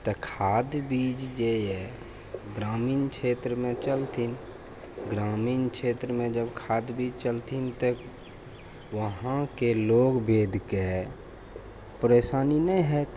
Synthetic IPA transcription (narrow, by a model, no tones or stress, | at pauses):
t̪əkʰaːd̪biːd͡ʒd͡ʒejɛ | ɡɾaːmiːnkʃʰeːt̪ɾəmẽt͡ʃəlt̪ʰin | ɡɾaːmiːnkʃeːt̪ɾəmẽd͡ʒəbkʰaːd̪biːd͡ʒt͡ʃəlt̪int̪ə | ʋəɦãkeloːɡbeːd̪ʱke | pəɾeːsaːninəĩɦɛ